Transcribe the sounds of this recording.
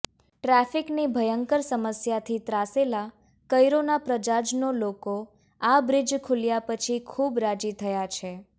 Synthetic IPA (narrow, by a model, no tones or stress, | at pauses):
ʈɾɛfiknibʱəjəŋkəɾsəməsjat̪ʰit̪ɾasela | kəjɾonapɾəd͡ʒad͡ʒnoloko | abɾid͡ʒkʰuljapət͡ʃʰikʰubɾad͡ʒit̪ʰəjat͡ʃʰe